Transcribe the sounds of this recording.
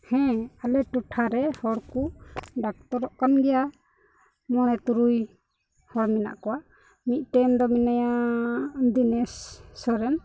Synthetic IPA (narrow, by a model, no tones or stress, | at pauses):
hɛ̃alɛʈuʈʰaɾɛhɔɽkuɖak̚t̪ɔɾɔʔkanɡɛja | mɔɽ̃ɛt̪uɾuj | hɔɽmina̰ʔkɔwaʔ | mit̪̚ˀʈɛmd̪ɔminaja | d̪inɛsːɔɾɛn